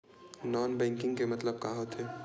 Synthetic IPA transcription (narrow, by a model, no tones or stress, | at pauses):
nɔːnbɛ̃ːŋkɪ̃ŋɡkemɐt̪ləb̚kaːɦot̪ɦɛː